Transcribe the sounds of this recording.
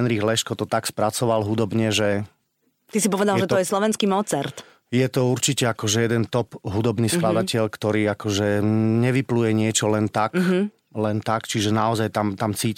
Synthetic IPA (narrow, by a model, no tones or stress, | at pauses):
ɛnɾiɣlɛʃkɔt̪ɔt̪akspɾat͡sɔʋalɦud̪ɔbɲɛʒɛ | t̪isipɔʋɛd̪alˠʒɛt̪ɔjɛslɔʋɛnskimɔt͡sɛɾt̪ | jɛt̪ɔuɾt͡ʃicɛakɔʒɛjɛd̪ɛnt̪ɔpɦud̪ɔbniːsklad̪acɛʎkt̪ɔɾiːakɔʒɛɲɛʋiplujɛɲɪɛt͡ʃɔlɛnt̪ak | lɛnt̪akt͡ʃiʒɛnaɔzajt̪amt̪amt͡siː